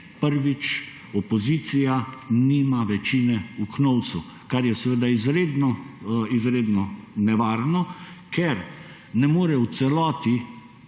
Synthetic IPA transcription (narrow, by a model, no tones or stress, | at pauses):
pəɾʋit͡ʃ | ɔpɔziːt̪sijaniːmaʋɛt͡ʃinɛuknɔwt̪su | kaɾjɛsɛʋeːd̪aizɾed̪nɔizɾeːd̪nɔnɛʋaːɾnɔkʰɛɾ | nɛmoːɾɛwt̪sɛlɔːt̪i